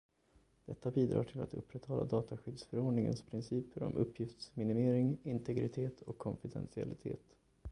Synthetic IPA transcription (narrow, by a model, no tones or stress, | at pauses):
d̪̥ɛt̪ːabiːd̪ɾɑ̰ːʈʰɪlat̪ɵpːɾɛt̪hɑlːʔa̰d̪ɑːt̪aɧʏd̪sfœɾoːɖɳɪŋə̰nspʰɾɪnsiːpʰəɾɔ̰mʔɵpʰːjɪft̪smɪnɪmeːɾɪŋɪnt̪ʰɛɡɾɪt̪ʰeːt̪ʰɔkʰːɔnfɪd̪ɛ̰nsɪa̰lɪt̪ʰḛːt̪